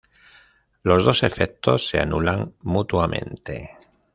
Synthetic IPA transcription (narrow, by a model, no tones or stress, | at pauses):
lozðo̞sefek̚t̪o̞sːea̰nulaŋmut̪uamʔḛ̃nt̪ḛ